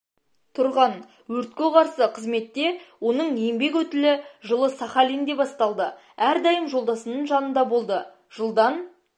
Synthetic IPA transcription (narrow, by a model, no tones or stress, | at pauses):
t̪ʰʊɾʁɑn | wɵɾt̪̚kʲeʁɑɾsəqʰəzme̞t̪ːe̞wo̞nəɴembe̞k̬wɵt̪ɪlɪʒəlˠəsɑχɑlind̪e̞bɑst̪ɑlˠd̪ə | æɾd̪ɑjəmʒo̞lˠd̪ɑsənəɴʒɑnənd̪ɑbo̞lˠd̪ə | ʒ̥əlˠd̪ɑn